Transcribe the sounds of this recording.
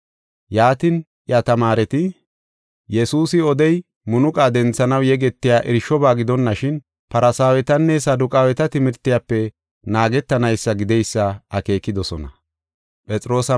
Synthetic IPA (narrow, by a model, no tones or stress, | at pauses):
jaːt̪ɪn | ʔjɐt̪ɐmaːɾɛt̪ɪ | jɛsuːsɪɔd̪ɛj | mʊnʊkʼaːd̪ɛnt͡sːɐnɐwjɛɡɛt̪ːɪjaːʔɪɾʃɔbaːɡɪd̪ɔnːɐʃɪn | pɐɾɐsaːwɛt̪ɐnːɛsɐd̪ʊkʼaːwɛt̪ɐt̪ɪmɪɾt̪ːɪjapːɛ | naːɡɛt̪ːɐnɐjsːɐɡɪd̪ɛjsːɐɐke̞ːkːɪd̪ɔsɔ̰nɐ̰ | pʼɛt͡sʼɪɾo̞ːsɐ